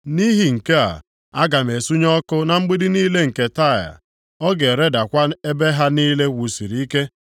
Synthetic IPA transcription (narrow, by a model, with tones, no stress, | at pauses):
ni˦ɦi˨ŋ̩˨ke˦a̰˨ | a˦ɡa˨m˨e˨su˦ɲɔ˦kʊ˦na˨ŋ͡m̩˦ɡ͡bi˦di˦niː˦le˦ŋ̩˨ke˨ta˦˨ja̰˨ | ɔ˦ɡe˨ɾe˦da˨kʷa˦e˦be˦ɦa˦niː˦le˦wu˨si˨ɾi˨i˦ke˦